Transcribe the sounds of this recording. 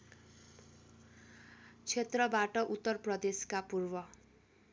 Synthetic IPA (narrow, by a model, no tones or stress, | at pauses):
t͡sʰet̪rʌbaʈʌʔut̪ːʌrprʌd̪eskapurbʌ